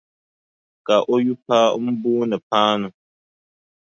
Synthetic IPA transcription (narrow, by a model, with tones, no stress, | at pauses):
ka˨ʔo˦ju˦pa˦m̩˦buː˦nɨ˨paː˦nʊ˨